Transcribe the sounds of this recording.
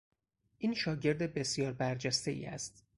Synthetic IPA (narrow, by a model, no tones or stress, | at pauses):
ʔiːnʃɒːɟe̞ɾd̪ebesjɒːɾbæɾd͡ʒæst̪e̞ʔḭːæ̰st̪